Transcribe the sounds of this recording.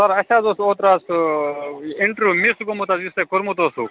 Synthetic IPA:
saɾɐɕaːzosoːt̪ɾaːs | iɳʈɾumisɡomut̪aːjust̪ekuɾmut̪oːsuː

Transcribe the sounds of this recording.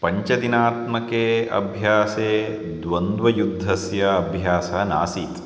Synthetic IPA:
pɐɲt͡ʃɐd̪inaːt̪mɐkeːɐ̰bʱjaːseː | d̪ʋɐnd̪ʋɐjud̪ʱːɐsjɐɐbʱjaːsɐna̰ːsiːt̪

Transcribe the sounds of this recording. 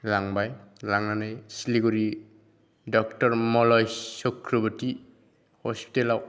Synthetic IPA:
laŋbajlaŋanajsiliɡuɾi | dɔk̚tɔɾmɔlɔjsɔkʰɾɔbɔti | hɔspi̥telaw

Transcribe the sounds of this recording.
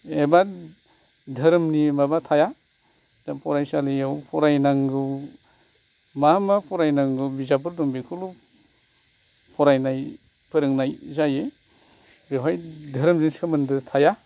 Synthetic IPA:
eba | dʱɐɾmnimabatʰaja | dapʰɔɾajsalijawpʰɔɾajnaŋɡɯw | mamapʰɔɾajnaŋɡɯwbizap̬ɯɾdɔŋbekʰɯlu | pʰɔɾajnaj | pʰɯɾɯŋnajzaje | bewajdʱɐɾmzinsɯmɯndɯtʰaja

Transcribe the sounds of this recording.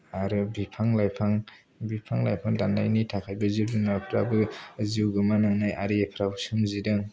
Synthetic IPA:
aɾɯbipʰaŋlajpʰaŋ | bipʰaŋlajpʰaŋdanda̰jnitʰakʰajbɯzidinapʰɾabɯziwɡɯmanaŋnajʔaɾiepʰɾawsumzidɯŋ

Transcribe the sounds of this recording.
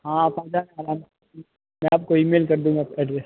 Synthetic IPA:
ɦãːaːpaːd͡ʒaːnaːɾaːm | mɛ̃aːp̚koiːmeːlkɐɾd̪ũːɡaːpɛːɖɾɛs

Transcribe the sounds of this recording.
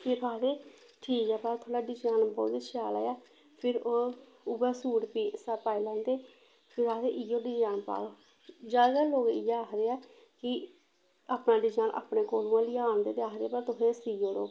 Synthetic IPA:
pʰɪt̪aːd̪eː | ʈʰiːkɛːpaːt̪ʰoːɽaːɖɪd͡ʒaːnbɔːt̪iːʃʰaːla̰ːjaː | pʰɪɾoː | ʊbaːsuːɽpiːsaːpaːilãːnd̪eː | pʰɪɾaːd̪eːʔɪjoːɖɪd͡ʒaːnpa̰ːloː | d͡ʒaːɡaloːkɪjaːkɾeːɛː | kɪ | aːpnaːɖɪd͡ʒaːnʔa̰ːpɽẽːkoːlũːãːliːaːnd̪eːt̪eaːkɾeɛːpəɾt̪ʊɦeːsiːjoːɽoː

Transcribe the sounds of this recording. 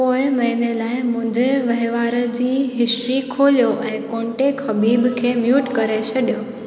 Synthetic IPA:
poːɪmɐɦinelaːɪmʊ̃ɦɪ̃ɲd͡ʑeʋɐɦɪʋaːɾəd͡ʑiːɦɪsʈɾikʰoːlijoʔɛ̃ːkõːɳʈexɐbiːbkʰeːmjuːʈkɐɾet͡ɕʰɐɗijoː

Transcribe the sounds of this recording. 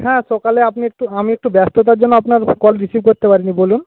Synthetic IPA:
hɛ̃ʃɔkaleapniek̚ʈuamiek̚ʈubɛst̪ot̪̬aɾd͡ʑonːoapnaɾkɔlɾisibʱkoɾt̪epaɾinibolun

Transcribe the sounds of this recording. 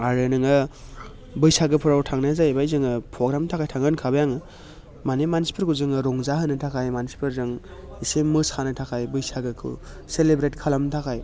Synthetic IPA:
aɾɯnɯŋɯ | bɯjsaɡɯpʰuɾawtʰaŋnazajbajzɯŋɯpʰɾoɡɾamtʰakʰajtʰaŋɯnkʰabajaŋɯ | manemansi̥pʰɯɾkuzɯŋɯɾɔŋzaɦɯnɯtʰakʰajmansi̥pʰɯɾzɯŋ | isemɯskʰanɯtʰakʰajbɯjsaɡɯkʰɯ̰ | selebɾetkʰalamtʰakʰaj

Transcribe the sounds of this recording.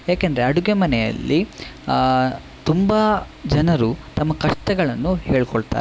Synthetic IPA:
jaːkend̪ɐɾeɐɽuɡemɐnɛjɐ̰lːi | t̪umbɐ | d͡ʒɐnɐɾut̪ɐmːɐkɐʂʈɐɡɐɭɐnːuheːɭkɔɭt̪a̰ːɾ

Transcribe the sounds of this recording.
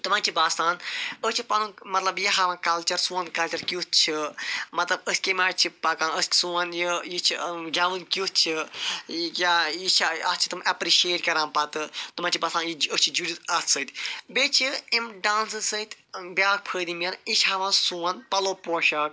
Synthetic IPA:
t̪umãnt͡ʃʰibast̪aːnət͡ʃʰipɐnumɐt̪lɐbjiɦaʋãnkɐlt͡ʃɐɾsũːɐnkɐlt͡ʃɐɾkʲjut̪̚t͡ʃʰimɐt̪lɐbəsʲkʲemaːɽt͡ʃʰipɐkãːnəssuːɐnjijit͡ʃʰiɡɐʋɨnkʲjut̪t͡ʃʰi | jajit͡ʃʰɐt͡ʃʰi̥t̪umʔɐpɾiʃeːʈkɐɾãːnpɐt̪ɨt̪umãnt͡ʃʰibɐst̪ãːnjiət͡ʃʰid͡ʒuɽizɐt̪ʰsət̪ʲbet͡ʃʰiimɖãːnsɨsət̪ʲbʲaːk̚pʰəːd̪imʲɐnit͡ʃʰɦaʋãːnsuːɐnpɐloːpoːʃɐk

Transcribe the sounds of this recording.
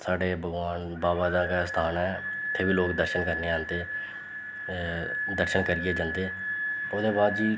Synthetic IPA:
saːɖeːbʱəɡʋaːn | baːbaːd̪ãːkaːst̪ʰaːnɛːɪt̪ʰːeːbiːloːkd̪əɾʃənkəɾneːãːnd̪eː | d̪əɾʃənkəɾieːd͡ʒãːnd̪eːʊːd̪eːbaːd̪d͡ʒiː

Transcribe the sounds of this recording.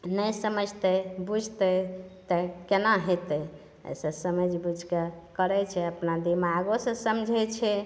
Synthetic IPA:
nəjsəməd͡ʒʱt̪ɛbud͡ʒʱt̪ət̪əkenaɦot̪ə | ə̰sə̃səməd͡ʒʱbud͡ʒʱkekəɾɛt͡ʃʰɛəpnad̪imaɡosə̃səmd͡ʒʱɛt͡ʃʰɛ

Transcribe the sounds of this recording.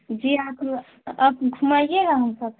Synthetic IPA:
d͡ʒiakʰ | əbɡʱumajjeɾəɦənsəb̚

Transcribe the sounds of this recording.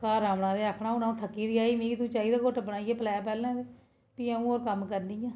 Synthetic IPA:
kaːɾaːmɽãːd̪eːaːkʰɳaːonaːũt̪ʰəkːiːd̪iːaːiːmĩːkit̪ũːt͡ʃaːɦiːd̪aːkoʈbəɽaːieːpəlɛːpɛːlnãːd̪eː | piːəũːoːɾkəmkəɾniːjãː

